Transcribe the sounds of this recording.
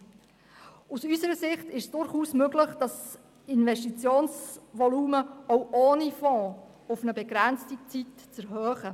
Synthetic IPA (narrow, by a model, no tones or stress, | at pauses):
usysəɾəsɪχtɪʃsd̥ʊɾχuːsmøɡlɪχd̥ɑs | ɪnvɛʃtit͡sjoːnsʋɔluːməowʔoːnifɔ̃ː | ʊfnəbɛɡ̥ɾænt͡stit͡sitt͡sɛɾɦœːχə